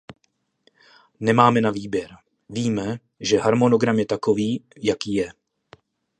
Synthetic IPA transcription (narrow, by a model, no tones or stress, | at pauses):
nɛmaːmɛnaviːbjɛɾ | viːmɛ | ʒɛɦaɾmonoɡɾamjɛt̪akoviː | jakiːjɛ